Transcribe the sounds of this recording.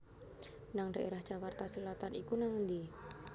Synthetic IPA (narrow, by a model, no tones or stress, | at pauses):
naŋɖa̤ʔeɾahʒ̥akart̪asəlat̪anikunaŋənd̪i